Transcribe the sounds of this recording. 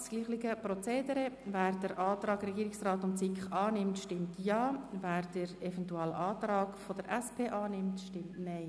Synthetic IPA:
sɡ̥liːχlɪɡəpɾɔt͡seːdəɾɛvæːɾd̥əɾʔɑːt̪ɾɑːɡrɛɡiːɾɪksraːtʊnt͡sikχɑːnɪmtʃtɪmtjɑːvæːɾd̥əɾɛvɛntuɛlʔɑːt̪ɾɑːkfod̥əɾɛspʰeːʔɑːnɪmtʃtɪmtnɛɪ

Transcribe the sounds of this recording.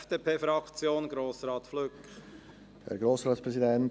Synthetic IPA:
d̥eːpʰeːfɾɑkt͡sjoːnɡ̥ɾoːsɾɑːt̪fløk | hɛ̰ɾɡɾoːsʁɑːt̪spɾɛsidɛn

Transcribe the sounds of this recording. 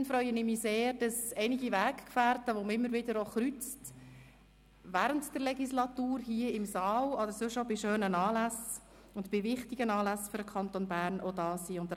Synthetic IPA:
nfɾœʏənɪmiseːɾd̥ɑsɛɪnɪɡiʋæːkkfæːrtəʋomɪmːəɾʋɪdəɾoχɾyt͡st | ʋæːɾəntd̥əɾlɛɡislɑt̪uːɾhiəɪmsɑːlɑdəɾsʉʃobɪʃøːnənɑːlæs | ʊndbɪʋɪχtiɡənɑːlæsfʏɾəkʰɑntonbæːɾnʔodɑːsiːʊnt̪ə

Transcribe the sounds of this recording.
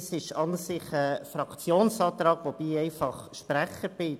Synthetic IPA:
sɪʃɑnsɪχəfɾɑkt͡sjoːnsɑːt̪rɑːɡ̥ʋob̥iːɛɪfɑχʃpræχəɾb̥ɪ

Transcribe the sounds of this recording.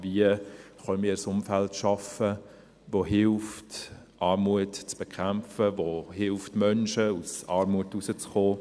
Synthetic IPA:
viəχœnmiːɾsʊmfæltʃɑfə | voɦɪlft | ʔɑːrmuətt͡sb̥ɛkʰχæmfəvohɪlftmœnʃəusɑːɾmuətusət͡sχoː

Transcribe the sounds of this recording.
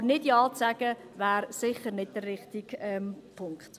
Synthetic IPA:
nɪdjɑːt͡sæɡ̥ə | væːɾsɪχəɾnɪd̚d̥ərːɪχtiɡɛmpʰʊŋkχt

